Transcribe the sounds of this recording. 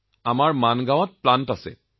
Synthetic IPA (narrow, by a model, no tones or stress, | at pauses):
amaɹmanɡãw̃ɔt̚plantasɛ̰